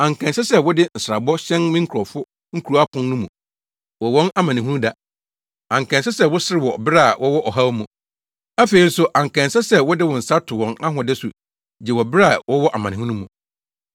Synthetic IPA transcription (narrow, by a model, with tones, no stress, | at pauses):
ã˨ŋ˨kʰɛ̃˨n˨sɛ˦sɛ˦wʊ˦dɪ˦n̩˨sɾa˨bɔ˦ɕɛ̃˦nmĩ˦ŋ̩˦kʰɾɔ˨fʊ˦ | ŋ̩˦kʰu˨ɾu˨˦a˦pʰʊ̃˦nnũ˦mũ˨ | wɔ˨wɔ̃˦na˦mã˨nɪ̃˨ɦũ˦da˨ | ã˨ŋ˨kʰɛ̃˨nsɛ˦sɛ˦˨wʊ˦sɪ˦ɾɪ˨wɔ˨bɪ˦ɾa˨wʔɔ˦wɔ˦ʔɔ˨ɦa˦wmũ˨ | æ˦fe˨i˦n̩˦sʊ˦ʔã˨ŋ̩˨kʰɛ̃˨nsɛ˦sɛ˦wɔ˦dɪ˦wɔ˨n̩˨sa˦tʰʊ˨wɔ̃˨na˦ɦʊ̃˨dɛ˦sṵ˨ | d͡ʑɛ˨wɔ˨bɪ˦ɾɛ˦a˨wɔ˦wɔ˦ʔa˨mã˨nɪ̃˨hũ˦nũ˦mũ˨